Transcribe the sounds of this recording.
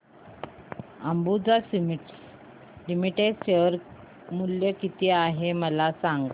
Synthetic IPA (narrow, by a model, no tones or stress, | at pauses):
əmbud͡zas | limiʈeɖɕeʋəɾ | muljəkit̪iaɦeməlasaŋɡ